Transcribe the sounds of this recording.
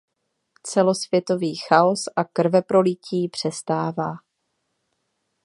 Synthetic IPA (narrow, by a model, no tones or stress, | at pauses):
t͡sɛlo̞svjɛt̪o̞viːxao̞sʔakr̩vɛpɾo̞lɪciːpr̝̥ɛst̪aːvaː